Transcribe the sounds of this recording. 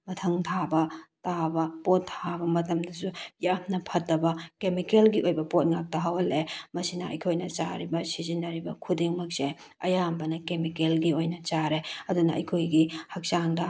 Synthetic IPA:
mɐtʰɐŋtʰabɐtabɐpotʰːabɐmɐtɐmdɐsujamnɐpʰɐtːɐbɐkemikelɡiʔojbɐpot̚ŋak̚tɐɦɐwɐlemɐsinɐɐ̰jkʰojnɐt͡ʃa̰ɾibɐsizinɐɾibɐkʰudiŋmɐk̚se | ɐ̰jambɐnɐkemikelɡiojnɐt͡ʃaɾeɐdunɐʔɐ̰jkʰojɡihɐk̚saŋdɐ

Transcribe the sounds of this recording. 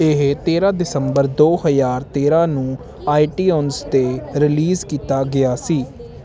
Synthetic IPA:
ɪɦt̪eːɾãːd̪ɪsəmbəɾd̪oːhəzaːɾt̪eːɾãːnũː | aːiʈiːɔːnst̪eːɾɪliːzkiːt̪aːɡɪjaːsiː

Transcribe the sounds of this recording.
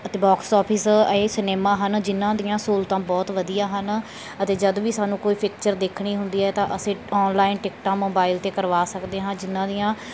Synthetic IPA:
ət̪eːbɔːksɔːpʰɪseːsɪneːmãːɦənd͡ʒɪnːãːd̪ijãːsoːlt̪ãːbɔːt̪ʋəd̪ijãːɦən | ət̪eːd͡ʒəd̪ʋiːsaːnũːkoːiːpʰɪk̚t͡ʃəɾd̪eːkʰɳiːɦʊnd̪iːɛːt̪ãːʔəsẽːɔːnlaːɪnʈɪkʈãːmoːbaːɪlt̪eːkəɾʋaːsəkd̪eːɦãːnd͡ʒɪnːãːd̪ijãː

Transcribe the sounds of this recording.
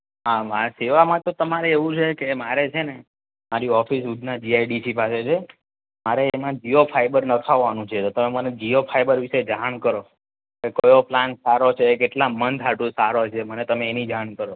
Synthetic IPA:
ɦamaseʋamãt̪ot̪əmaɾeeʋũt͡ʃʰekemaɾet͡ʃʰene | maɾiɔfisud̪ʱnad͡ʒiajɖisipaset͡ʃʰe | maɾemãd͡ʒiopʰajbəɾnət̪ʰaʋːanũt͡ʃʰet̪ot̪əmeməned͡ʒiofʰaibəɾʋiʃed͡ʒaɳkəɾo | kekojoplansaɾot͡ʃʰekeʈlamənd̪ʱaʈũsaɾot͡ʃʰemənet̪əmeːnid͡ʒaɳkəɾo

